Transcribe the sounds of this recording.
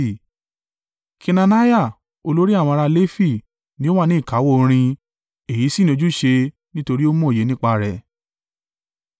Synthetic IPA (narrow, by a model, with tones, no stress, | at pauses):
kʰi˧na˧na˦ja˦˨ | o˧lo˦ɾi˦a˦˨w̃ɔ̃˧ɾa˧le˦fi˦˨ | nĩ˨˦o˦wa˦˧nĩ˨˦i˦˨ka˨˦wo˦˨˧ɾ̃ĩ˧ | e˨ji˨˦si˦ñ˨˧o˧d͡ʒu˦ʃe˧ | nĩ˦to˧ɾi˦o˦mɔ̃˦˨e˨˦nĩ˦k͡pa˧ɾɛ˨